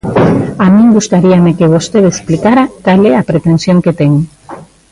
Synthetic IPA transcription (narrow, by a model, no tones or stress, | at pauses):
amĩŋɡust̪aɾiamekeβost̪eðeksplikaɾakalɛapɾet̪ensjoŋket̪ɛŋ